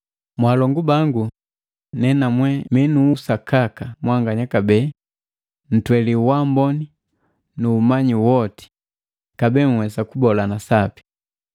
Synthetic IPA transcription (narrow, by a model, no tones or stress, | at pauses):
mwalɔŋɡubaŋɡu | nɛnamwɛmɛnuːsakakamwaŋɡaɲakabɛ | n̩twɛliwambɔni | nuːmaɲiwɔti̥ | kabɛːŋwɛsakubɔlanasapi̥